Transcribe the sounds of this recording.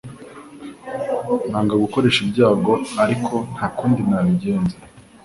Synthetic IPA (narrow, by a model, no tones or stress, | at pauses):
naːŋɡaɡuko̞ɾe̞ʃibɟaːɡo̞aɾikʰo̞n̥haːkuːndinaβiɟe̞ːnze